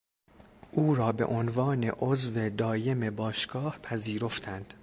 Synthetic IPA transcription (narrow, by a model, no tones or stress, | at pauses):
ʔuːɾɒːbe̞̰ʔonvɒːne̞̰ʔozve̞d̪ɒːje̞mebɒːʃɡ̥ɒːhpʰæziːɾo̞ft̪ʰænd̪̥